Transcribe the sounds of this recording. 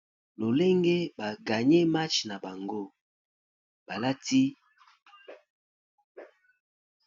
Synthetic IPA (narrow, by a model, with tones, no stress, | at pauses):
lo˨le˦ŋɡe˦ba˨ɡa˨ɲɛ˦ma˦t͡ʃna˨ba˨ŋɡo˦ | ba˨la˦ti˦